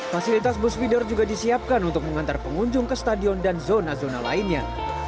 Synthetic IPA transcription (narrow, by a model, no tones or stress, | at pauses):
fasilit̪as̬busfidɔrd͡ʒuɡadisiap̚kanunt̪ʊk̚məŋant̪arpəŋuɲd͡ʒʊŋkəst̪adiɔndanzonazona̰la̰inɲa